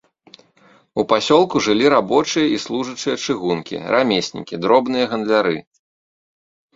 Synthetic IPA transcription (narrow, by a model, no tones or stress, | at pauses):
upasʲɔlˠkuʐɨlʲiɾabɔt͡ʂɨjɐʔislˠuʐɨt͡ʂɨjɐt͡ʂɨɣunkʲḭrʔamʲesʲnʲḭkʲid̪ɾɔbnɨjɐɣɐnd̪lʲaɾɨ